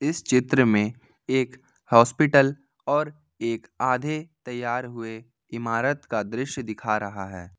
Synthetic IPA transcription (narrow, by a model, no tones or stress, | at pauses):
ɪst͡ʃɪt̪ɾəmẽ | eːk | hɔːspɪʈəl | ɔːɾ | eːkaːd̪ʱet̪ɐjːaːɾɦʊe | ɪmaːɾət̪kad̪ɾɪʃjd̪ɪkʰaɾɐɦaɦɛː